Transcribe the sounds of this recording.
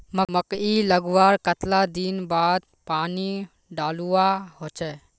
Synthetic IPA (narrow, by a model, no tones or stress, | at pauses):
məməkiləɡwaːɾkət̪lad̪inbaːd̪̚ | paːni | ɖaːluahoːt͡ʃɛː